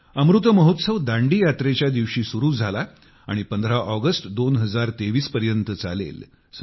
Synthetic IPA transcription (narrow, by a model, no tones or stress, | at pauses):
əmɾut̪əməɦut̪səʋd̪ãɳɖiːjat̪ɾet͡ɕjad̪iʋɕiːsuɾuːd͡zʱala | a̰ɽ̃ipənd̪ʱɾaʔəɡəsʈd̪onɦəd͡zaɾt̪eʋiːspəɾjənt̪ət͡sa̰lḛl | s